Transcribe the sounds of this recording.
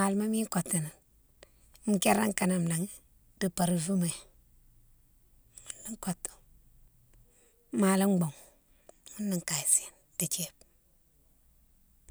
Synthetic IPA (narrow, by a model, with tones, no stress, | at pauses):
ma˨lma˦mi˦ŋ˦ko˨tːi˨ni˨n˦ | m̩˨ke˦ɾa˦ŋ˦ka˨na˨m̩˨la˨ŋi˦ | d̥i˨pa˨ɾu˨vu˦ma˨ | mu˦ndi˦ŋ˦ko˨tːu̥˨ | maː˨li˦ŋ͡mɡ͡bo˨ŋ | ŋu˦nːi˨ŋ˨ka˨si˨n | d̥i˨t͡ʃe˦b̚